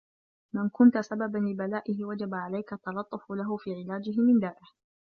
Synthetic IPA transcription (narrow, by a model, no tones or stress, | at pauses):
mɪnkʊnt̪asababanlɪbalaːʔɪɦɪwad͡ʒabaʕalajkaʔt̪ːɑlɑt̪ˤːʊfʊlaɦʊfiːʕɪlaːd͡ʒɪɦɪmɪnd̪aːʔɪh